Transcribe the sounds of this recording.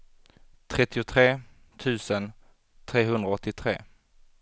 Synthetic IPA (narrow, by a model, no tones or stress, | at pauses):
t̪ʰɾɛt̪ːɪʊt̪ʰɾeː | t̪ʰʉ̟ːsən | t̪ʰɾeːɦɵnd̪ɾaɔt̪ːɪt̪ʰɾeː